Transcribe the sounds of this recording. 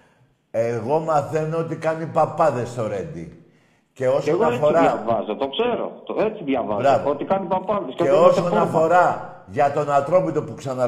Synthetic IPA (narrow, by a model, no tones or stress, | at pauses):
eɣo̞mɐθe̞noot̪ikɐnipɐpɐðe̞st̪o̞ɾe̞nd̪ḭ | ce̞o̞seonoɐefoɾɐɐvɐzɐt̪okseɾo̰t̪oet͡siðʝɐvɐbzɾɐvoot̪ikɐnipɐpɐðeseosonnɐfo̞ɾɐ | ʝɐt̪o̞nɐt̪ɾo̞pit̪o̞puksɐnɐ